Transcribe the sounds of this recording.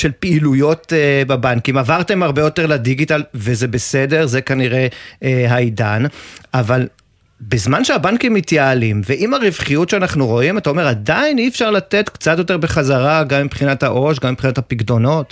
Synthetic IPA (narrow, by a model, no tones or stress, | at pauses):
ʃelpeilujo̞tebabankimavaʁt̪e̞maʁbejo̞te̞ʁladiɡitalvezebese̞de̞ʁzekaniʁe̞ɦajdanaval | bezmanʃeabankimːit̪jaːlimveʔimaʁivχijutʃeanaχnuʁo̞imat̪aome̞ʁadainiefʃaʁlat̪e̞t̪kt͡satjo̞t̪̬e̞ʁbeχazaʁaɡamipχinathaʔo̞ʃɡamipχinatapiɡdo̞no̞t